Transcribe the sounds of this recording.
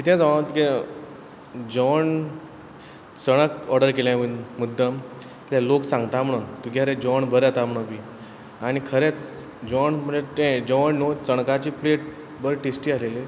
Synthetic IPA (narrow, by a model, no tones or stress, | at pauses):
t̪it̪ʰɛ̃d͡zaʋ̃t̪ukẽ | d͡ʑɔɳ | t͡səɽ̃əkɔɾɖəɾkeljãmnmud̪ʱːə | kit̪aloksãŋɡt̪am̤əɽunt̪ukaɾẽd͡ʑɔɳbəɾat̪am̤əɽ̃ũki | añikʰəɾet͡s | d͡ʑɔɳm̤əɳet̪ɛ̃d͡ʑɔʋɳnot͡səɽ̃kat͡ɕiːpleʈ̚ | bəɾʈesʈiːaleli